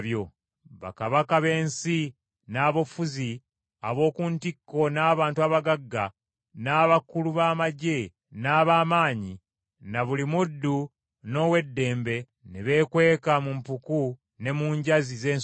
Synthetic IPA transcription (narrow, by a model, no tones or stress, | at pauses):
βjo̞ | βa̰kaβakaβe̞ːnsi | naːβo̞fuzi | a̰βo̞ːkuntikːo̞naːβaːntuaːβaɡaɡːa | naːβakuluβaːmaɟe̞ | naːβaːmaːɲi | naβulimudːu | no̞ːwe̞dːe̞ːmbe̞ | neβe̞ːkwe̞ːkamumpuku | ne̞muːɲɟazize̞ː